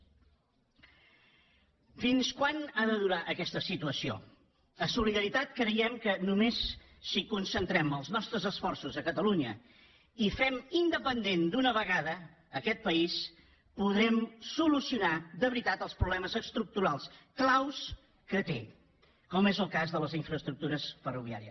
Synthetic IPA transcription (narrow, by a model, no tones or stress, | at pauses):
finskwanaðəðuɾaʔəkɛst̪əsit̪uəsio̰ | əsuliðəɾit̪at̪̚kɾəjɛmkənumesː | ikunsənt̪ɾɛməlˠznɔst̪ɾəzəsfɔrsuzəkət̪əluɲə̰ | ifɛmind̪əpənd̪end̪unəβəɣaðəː | kɛt̪̚pəis | puðɾɛmsulusiunad̪əβɾit̪at̪əlˠspɾuβlɛməzəst̪ɾuk̚t̪uɾalˠsklaws | kət̪e | kɔmezəlˠkazðələziɱfɾəst̪ɾuk̚t̪uɾəsfəruβia̰ɾiəs